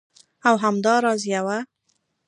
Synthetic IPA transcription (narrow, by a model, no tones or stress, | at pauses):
awɦamd̪ɑɾɑzjawa